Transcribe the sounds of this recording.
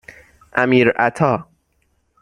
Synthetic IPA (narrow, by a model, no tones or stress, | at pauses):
ʔæmiːɾæt̪ʰɒː